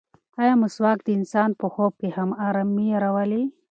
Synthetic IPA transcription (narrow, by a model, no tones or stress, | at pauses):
ajamuswɑːk̚d̪əɪnsɑːnpəxob̚kehamaɾamːiaɾawali